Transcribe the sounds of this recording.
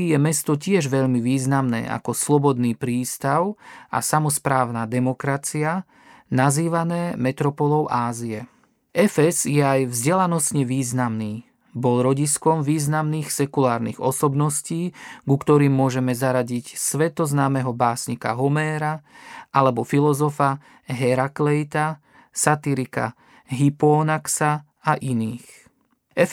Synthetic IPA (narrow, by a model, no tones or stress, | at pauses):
jɛmɛst̪ɔcɪɛʒʋɛʎmiʋiːznamnɛ̰ːʔa̰kɔslɔbɔd̪niːpɾiːst̪aʊa̰samɔspɾaːʊnaːd̪ɛmɔkɾat͡sia | naziːʋanɛːmɛt̪ɾɔpɔlɔʊʔaːziɛ | ʔɛfɛzjɛajvzɟɛlanɔst̪ɲɛʋiːznamniː | bɔlɾɔɟiskɔmʋiːznamniːxsɛkulaːɾnḭːɣɔsɔbnɔsciːɡukt̪ɔɾiːmːʊɔʒɛmɛzaɾaɟicsʋɛt̪ɔznaːmɛɦɔbaːsɲika̰ɦɔmɛːɾaʔalɛbɔfilɔzɔfa | ɦɛɾaklɛjt̪a | sat̪iɾika̰ | ɦipɔːnaksa | aʔiniːx | ɛ